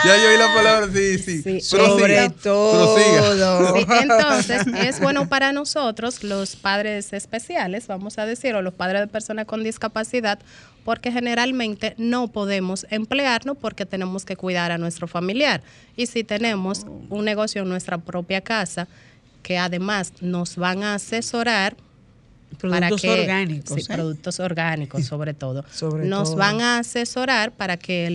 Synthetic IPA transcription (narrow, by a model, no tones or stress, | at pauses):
jajoilapalaβɾasisiisɾooβɾet̪ooiðoent̪onse̞sezbwe̞nopaɾano̞so̞t̪ɾo̞slo̞spaðɾe̞sespe̞sjale̞sβamo̞saðe̞siɾolo̞spaðɾezðepe̞ɾso̞nasko̞nd̪iskapasiðad̪̚ | po̞ɾke̞xe̞ne̞ɾalmẽ̞nt̪e̞no̞po̞ðe̞mose̞mpleaɾnospo̞ɾke̞t̪e̞ne̞mo̞ske̞kwijðaɾanwe̞st̪ɾofamiljaɾ | isit̪e̞ne̞mosuŋne̞ɣo̞sjoeŋnwe̞st̪ɾapɾo̞pjakasa | ke̞aðe̞masno̞zβaŋaːse̞so̞ɾaɾ | pɾoðpaɾaokeoɾɣaniksoipɾoðuk̚t̪oso̞ɾɣanikosːo̞βɾet̪o̞ðosoβɾnozβaŋaːse̞so̞ɾaɾpaɾake